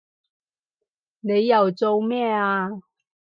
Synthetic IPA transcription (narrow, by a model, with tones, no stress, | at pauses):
ne˨˧jːɐ˨wt͡so˧wmɛː˥˩aː˧